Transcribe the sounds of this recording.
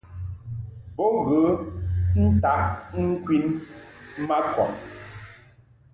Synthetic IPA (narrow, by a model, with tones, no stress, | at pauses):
bɔ˦˨ɣə˨˦n̩˦ta˨˦ʔŋ̩˦kwi˦n˦ | ma˦kɔ˨ʔ